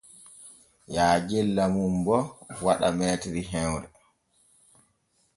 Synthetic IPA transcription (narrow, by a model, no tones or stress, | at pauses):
jaːd͡ʒɛlːamumbɔwaɗa̰mɛːtɾiɦɛwɾɛ